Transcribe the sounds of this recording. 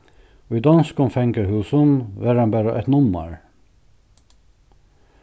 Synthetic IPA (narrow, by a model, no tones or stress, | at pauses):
oːiːd̪ɑnskʊmfɛŋkəɾhʉːsənʋæːɾɑnbæːɾɑʔɛ̰t̪nʊmɑ̰ɹ